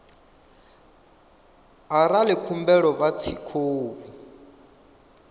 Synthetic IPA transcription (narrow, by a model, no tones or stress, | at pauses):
aɾalɛkʰumbɛɺɔβat͡sʰikʰoːβu